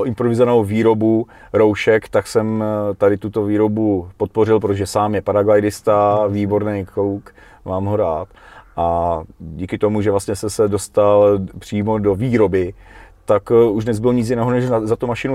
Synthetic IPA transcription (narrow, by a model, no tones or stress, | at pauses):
ʔɪmpɾovɪzvanowviːɾo̞bu | ɾo̞wʃɛkt̪aksɛmt̪adɪt̪ut̪o̞viːɾo̞bupot̪̚porɪlp̬ɾot̪oʒɛsaːmjɛpaɾaɡajdɪst̪aviːbo̞ɾnejkuk | maːmɦoɾaːt̪ʔaɟiːkɪt̪o̞muʒɛvlast̪ɲɛsɛsɛdo̞st̪alpr̥iːmo̞do̞viːɾo̞bɪt̪akuʒdnɛzbɪloɲɪt͡sjɪnɛːɦonɛʃzat̪umaʃɪnu